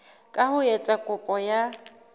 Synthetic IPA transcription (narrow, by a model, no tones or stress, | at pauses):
kʼahʊjɛt͡sʼakʼʊpʼɔja